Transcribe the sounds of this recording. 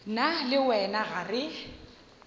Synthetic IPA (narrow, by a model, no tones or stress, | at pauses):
nalɪwɛnaɣarɪ